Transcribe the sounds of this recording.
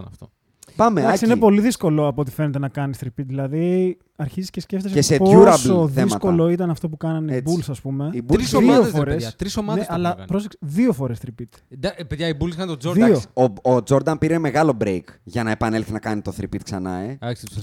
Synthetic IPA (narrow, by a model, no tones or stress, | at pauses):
nɐ̰ft̪o | pɐmeɐsiinepo̞liðisko̞lo̞ɐpoot̪i̥fene̞t̪e̞nɐkɐnisθɾipit̪ðilɐðie | ɐɾçiziscesceft̪eseseuɾɐsboðeisɐtko̞lo̞it̪ɐnɐft̪o̞p̬ukɐnɐnibulsɐspume̞ibuoiofoɾesɐt̪ɾisomɐðnesɐlɐɐpɾoseksiðiofo̞ɾe̞sθɾipit̪d̪ɐpeðʝɐibulskɐnt̪ozoðiɐosi̥ood͡zo̞ɾd̪ɐnpiɾeme̞ɣɐlo̞bɾejkʝɐnɐepɐne̞lθinɐkɐnit̪o̞θɾipit̪̚ksɐnɐ̰eɐksit̪s